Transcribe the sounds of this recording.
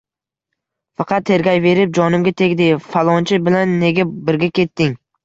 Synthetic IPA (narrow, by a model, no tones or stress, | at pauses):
fɑqʰɑt̪ʰːe̞ɾɡʲajve̞ɾɪp̚d͡ʒɒnɪmɡʲat̪ʰekʲd̪efalˠɒnt͡ʃʰɪbɪlanːe̞ɡʲabɪɾɡʲakʲʰe̞t̪ːɪŋ